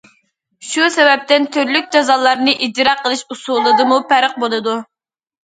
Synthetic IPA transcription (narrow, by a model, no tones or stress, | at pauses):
ʃusɛvɛp̚t̪ɪnt̪ʰyɾlyk̚ʲd͡ʒɑzɑlˠːɑɾnɨʔid̪ɨɾɑqʰːəlˠɨʃusulˠɨd̪ɨmupæɾəq̚bolˠɨd̪u